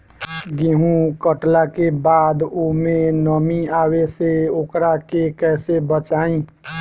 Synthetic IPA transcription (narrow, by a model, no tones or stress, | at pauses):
ɡeɦũkəʈlakebaːd̪omẽnəmiaweseokɾakekɛːsebət͡ʃaːĩ